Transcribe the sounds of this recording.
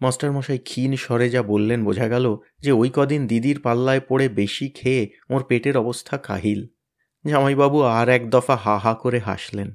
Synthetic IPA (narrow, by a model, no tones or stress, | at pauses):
masʈaɾmɔʃajkʰinʃɔɾed͡ʑabolːenbod͡ʑʱaɡɛlo | d͡ʑeojkɔd̪ʱind̪id̪iɾpalːaepoɽebeʃikʰeː | oɾpeʈeɾɔbost̪ʰaka̰ɦil | d͡ʑamajbabuaɾɛkd̪ɔfaɦaɦakoɾeɦa̰ʃlen